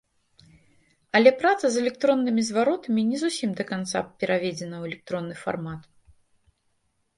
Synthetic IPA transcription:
ɐlʲɛpɾat̪sɐzɛlʲɛk̚t̪ɾɔnːɨmʲizvaɾɔt̪ɐmʲinʲɛzusʲimd̪ɐkant̪sa̰pʲɛɾavʲed͡zʲɛnɐwɛlʲɛk̚t̪ɾɔnːɨfa̰rmat̪

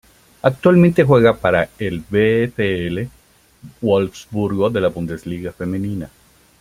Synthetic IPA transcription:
ak̚t̪walmẽnt̪e̞xwe̞ɣapaɾaelbefeele | wolfsbuɾɣoðe̞lapund̪esliɣafe̞mẽnina

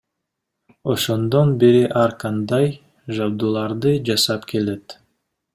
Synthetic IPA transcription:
o̞ʃo̞nd̪o̞nbeɾiʔɑɾqɑnd̪ɑj | ʒabd̪ulˠɑɾd̪ɯd͡ʒɑsɑpkʰe̞le̞t̪

